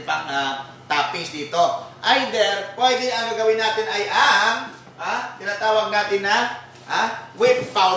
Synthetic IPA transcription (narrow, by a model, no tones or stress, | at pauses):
pɐŋa | t̪aːpɪsd̪iːt̪oʔajd̪ɛɾpwɛd̪ɪɐŋːɐɡɐwɪnːaːt̪ɪnajʔaŋ | ʔat̪ɪnat̪aːwaɡ̚naːt̪ɪnːɐ | ʔawɪt̪fa